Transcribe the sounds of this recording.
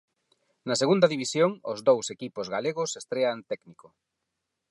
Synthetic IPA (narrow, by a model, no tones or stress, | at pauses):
nɐseɣund̪ɐaðiβisjoŋozðowsekipozɣaleɣ̞ʊsest̪ɾeant̪ɛkniko